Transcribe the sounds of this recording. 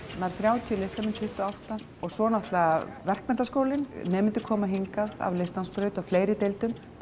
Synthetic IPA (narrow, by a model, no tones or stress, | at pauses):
naɾ̥θɾjaːwt̪ʰiʏlejst̪amɪnt̪ʰːʏht̪ʏɔawht̪a | ɔɣsvɔnaht̪lavɛr̥kmɛnt̪askoːwlɪnnɛːmɪnt̪ɪ̥kʰɔːmaɦiŋkaða̰vlejst̪lanspɾœːɥt̪aɣfleːjɾɪt̪ejlt̪ʏm